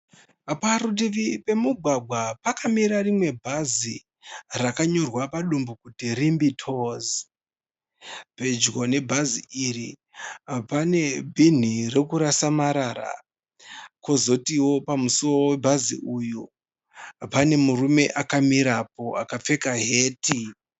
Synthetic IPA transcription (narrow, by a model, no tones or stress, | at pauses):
paɾut̬iʋipe̞muɡʱwaɡʱwapakamiɾarimwe̞bʱazi | rakaɲo̞rwapaɗumbukutirimbitʰoːz | pe̞d͡ʒɡone̞bʱaziʔiri | pane̞bʱin̤irekuɾasamaɾaɾa̰ | kozo̞tiwo̞pamusooowebʱazḭʔuju | pane̞murume̞ʔakamiɾapo̞ʔakap͡fe̞kaɦe̞ːti